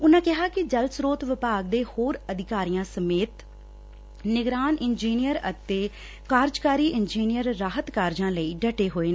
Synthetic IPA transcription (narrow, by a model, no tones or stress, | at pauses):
ʊnãːkɪɦaːkɪd͡ʒəlsɾoːt̪ʋɪpaːɡ̚d̪eːhoːɾəd̪ʱɪkaːɾijãːsəmeːt̪ | nɪɡɾaːnɪnd͡ʒiːnɪjəɾə̰t̪eː | kaːɾd͡ʒkaːɾiːʔɪnd͡ʒiːnɪjəɾːaːɦət̪kaːɾd͡ʒãːləiːɖəʈeːɦoːeːn